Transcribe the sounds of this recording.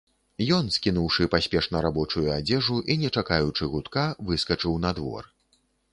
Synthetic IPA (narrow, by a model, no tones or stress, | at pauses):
jɔnskʲinuwʂɨpasʲpʲɛʂnɐɾabɔt͡ʂujuad͡zʲɛʐuʔinʲɛt͡ʂakajut͡ʂɨɣut̪kavɨskɐt͡ʂɨwnɐd̪vɔ̰r